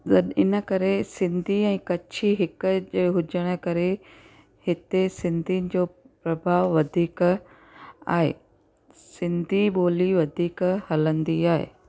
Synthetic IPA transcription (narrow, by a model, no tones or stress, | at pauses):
ɗɐɗɪnə̆kɐɾesɪ̃nd̪ʱiɛ̃ːkɐt͡ɕʰiɦɪkʄeɦʊd͡ʑəɽ̃ə̆kɐɾe | hɪt̪esɪ̃nd̪ʱinɪ̆d͡ʑoː | pɾɐbʱaːʋʋɐd̪ʱiːk | a̰ːɦḛː | sɪ̃nd̪ʱiɓoːliʋɐd̪ʱiːkhɐlə̃nd̪iaːɦḛː